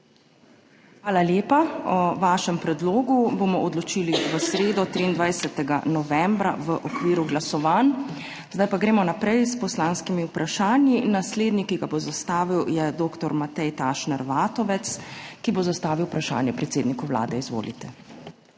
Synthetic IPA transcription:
xʋaːlaljeːpaɔʋaːʃɛmpɾɛd̪loːɡubomɔɔd̪lɔt͡ʃiːliʋəsɾeːd̪ɔt̪ɾiːnd̪ʋajsɛt̪ɛɡa̰nɔʋɛmbɾa̰ʋəʔɔkʋiːɾuɡlasɔʋan | zd̪ajpaɡɾɛːmɔnapɾɛjspɔslaːnskimiupɾʔaʃaːnjinasleːd̪nikiɡabozast̪aːʋiwjɛd̪oːkt̪ɔɾmat̪ɛjt̪aːʃnɛɾʋaːt̪ɔʋɛt̪skibozast̪aːʋiwpɾaʃa̰ːnjɛpɾɛt̪seːd̪nikuwla̰ːd̪ɛizʋo̰ːlḭt̪ɛ

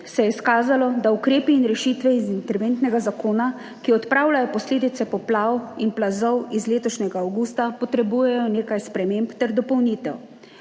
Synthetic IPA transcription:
sɛjɛskaːzalɔd̪aukɾeːpiːnɾɛʃiːt̪ʋɛizint̪ɛɾʋeːnt̪nɛɡazakoːna | kiɔt̪pɾaːwlajɔpɔsleːd̪it̪sɛpɔplaːwinplazɔwizleːt̪ɔʃnʲɛɡaːwɡuːst̪apɔt̪ɾɛbujɛjɔneːkajspɾɛmeːmpt̪ɛɾd̪ɔpɔwniːt̪ɛw

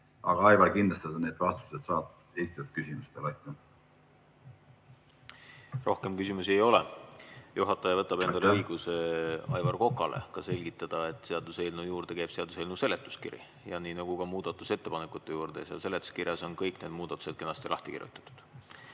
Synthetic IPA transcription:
ɑɡ̥ɑɑjvɑlkind̪lɑst̪ɑd̪ɑneːd̪̥vɑst̪u̥sed̪̥sɑːt̪ | ejst̪ijolt̪̚kysimust̪elɑjt̪ːˑu | rʔo̞hke̞mkysimusie̞jo̞lejuɦɑt̪ːˑɑjɑvɤt̪ːˑɑb̥e̞nd̪ɑleɤjɡ̥useɑjvɑrko̞kːˑɑlʔḛkɑse̞lʲɡ̥it̪ːˑɑd̪̥ɑe̞t̪ːˑseɑd̪̥use̞lnujuːrd̪̥e̞keːb̥se̞ɑd̪uselnuse̞let̪ːˑu̥skḭrḭ | jɑniːnɑɡ̥ukɑmuːd̪̥ɑt̪ːˑuse̞t̪ːe̞pɑnekːˑut̪ːˑe̞juːrd̪̥esjɑ̰lse̞let̪ːˑu̥skirjɑso̞nkɤjkne̞ːd̪̥̚muːd̪ɑt̪ːˑu̥se̞d̪ke̞nɑst̪ilɑ̰ht̪i̥kḭrʲˑjṵt̪ːˑɑ̥t̪ːˑu̥d̪̥

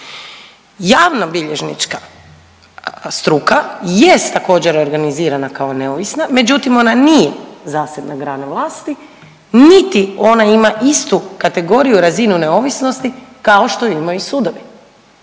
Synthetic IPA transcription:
jaːʋnabiʎe̞ʒnḭt͡ʃka | st̪ɾukajest̪ːako̞ːd͡ʑeɾo̞ɾɡaniziːɾanakao̞neoʋisname̞d͡ʑut̪imo̞nanijezaːsebnaɡɾaːnaʋlˠaːst̪i | nit̪io̞naimaʔist̪ukat̪e̞ɡo̞ɾijuɾazinuneo̞ʋisno̞st̪ikao̞ʃt̪oimoisuːd̪o̞ʋi

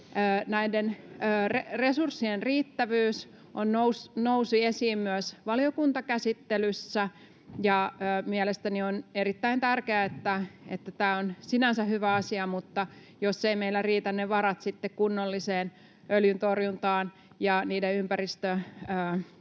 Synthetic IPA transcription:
əːnæidenəːreresursːienriːt̪ːæʋyːs | ʔonnousnousiesiːmmyæsʋɑliokunt̪ɑkæsit̪ːelysːæ | jɑəːmiɛlest̪ænionerit̪ːæint̪ærkeæet̪ːæḛt̪ːæt̪æːonsinænsæhyʋæɑsiɑmut̪ːɑ | josːeimeilːˑæriːt̪ænneʋɑɾɑt̪sit̪ːekkunːolːiseːn | ʔøljynt̪orjunt̪ɑːn | jɑniːdeympærist̪øəː

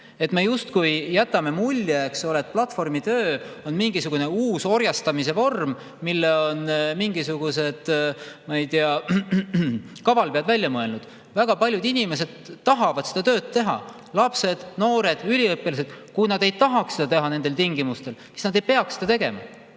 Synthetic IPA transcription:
e̞t̪me̞just̪kujjæt̪ːˑɑme̞mulʲjeeksolet̪̚plɑt̪fo̞rmit̪øːo̞nmiŋɡ̥isuɡ̥une̞uːso̞ɾjɑst̪ɑmis̬evo̞rm | milːeo̞nmiŋɡisuɡ̥use̞d̪̥mɑjt̪iɑ | kɑvɑlpeɑd̪vælʲjɑmɤe̞lnud̪̥ | væɡ̥ɑpɑlʲjud̪inime̞s̬e̞d̪̥t̪ɑɦɑvɑd̪̥se̞d̪̥ɑt̪ø̞ːt̪t̪ːe̞ɦɑ̰ | lɑpse̞d̪̥no̞ːɾe̞d̪̥ylʲiɤpːilɑs̬e̞d̪̥kujnɑd̪e̞jt̪ɑɦɑkse̞d̪ɑt̪e̞ɦɑne̞nd̪elt̪iŋɡimust̪e̞lsi̥snɑd̪̥e̞jpe̞ɑksed̪ɑt̪e̞ɡe̞̰mɑ̰

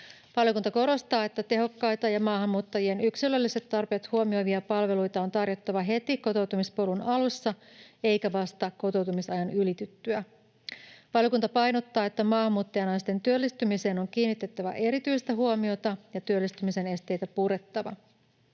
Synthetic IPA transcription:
ʋɑljokunt̪ɑko̞ɾo̞st̪ɑːe̞t̪ːæt̪e̞ɦo̞kːɑjt̪ɑjɑmɑːhɑmːuːt̪ːɑjie̞nyksilølːise̞t̪ːɑrpe̞ːt̪huomio̞jʋiɑpɑlʋe̞lujt̪ɑo̞nt̪ɑrjo̞t̪ːɑʋɑɦe̞t̪iko̞t̪o̞wt̪umispo̞lunɑlusːɑe̞jkæʋɑst̪ɑko̞t̪o̞wt̪umisɑjɑnylit̪yt̪ːyæ | ʋɑljo̞kunt̪ɑpɑjno̞t̪ːɑːe̞t̪ːæmɑːɦhɑmːuːt̪ːɑjɑnɑjst̪e̞nt̪yølːist̪ymise̞ːno̞ŋk̟iːnːit̪ːe̞t̪ːæʋæ̰ʔe̞ɾit̪yjst̪æɦuomio̞t̪ɑjɑt̪yølːist̪ymise̞ne̞st̪e̞jt̪æpuɾe̞t̪ːɑʋɑ̰

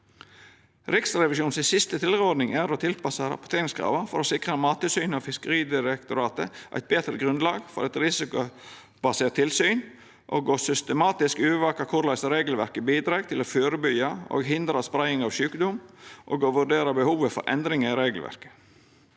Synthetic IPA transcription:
ɾɪksɾɛʋɪʃuːnsɪsɪst̪ət̪ʰɪlɾəɔd̪nɪŋæɾot̪ʰɪlpɑsɑɾɑ̰pʊ̥t̪ʰeːɾɪŋskʰɾɑ̰ːʋɑfɔɾɔsɪkɾəmɑːt̪əsyːnɑfɪskəɾiːd̪ɪɾɛkt̪ʊɾɑːt̪əʔæ̰ɪt̪̚beːt̪ɾə̰ɡɾʉnlɑːɡfɔɾɑt̪ɾɪsɪkʊ | bɑseːt̪ʰːɪlsyːn | ʔo̰ɡoːsʏst̪əmɑːt̪ɪskʉːʋɑːkɑkʰʊɾlæɪsɾeːɡəlʋæɾkəbiːd̪ɾɑːɡt̪ʰɪlɔføːɾəbʏjɑo̰ːɡɦɪnd̪ɾɑspɾæɪɪŋɑʋʃʉːkəd̪ʊmʔo̰ːɡoːʋʉɖeːɾɑbəhuːʋəfɔ̰ɾʔɛ̰nd̪ɾɪŋəɪɾeːɡlʋæ̰ɾkə̥

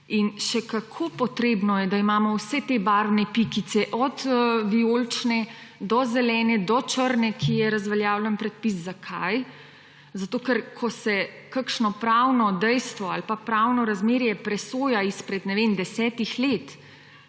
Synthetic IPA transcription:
inʃɛkakʰopɔt̪ɾeːbnɔjɛd̪aimaːmɔwsɛt̪ebaɾwnɛpikit̪sɛʔɔd̪ʋioːlt͡ʃnɛd̪ɔzɛlɛːnɛd̪ɔt͡ʃəɾnɛkʰijɛɾazʋɛljaːwlɛnpɾɛt̪̚pis̬zakʰa̰j | zat̪oːkɛɾkʰɔsɛ | kəkʃnɔpɾawnɔd̪ɛjst̪ʋɔalpapɾawnɔɾazmeːɾjɛpɾɛsoːjaispɾɛd̪nɛʋeːnd̪ɛsɛːt̪ixleːt̪

